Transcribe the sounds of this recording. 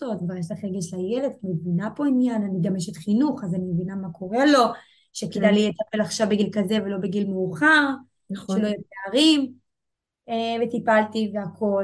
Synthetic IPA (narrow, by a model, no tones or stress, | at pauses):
otvajeʃlaχʁeɡeʃlajeledkmevinapo̞injananiɡameʃet̪χinuχazanimevinamako̞ʁe̞lo̞ | ʃeked̪ajlijet̪ape̞laχʃavbeɡilkaze̞ve̞lo̞beɡilmeuχaʁ | eχʃelojeeaʁim | evet̪ipaltiveako̞l